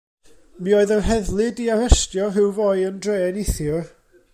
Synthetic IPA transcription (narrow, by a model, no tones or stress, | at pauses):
mioːɨðənɦɛðlˠɪdiaɾɛstjɔɦɪwvoːɨjəndreːnɪθjɔ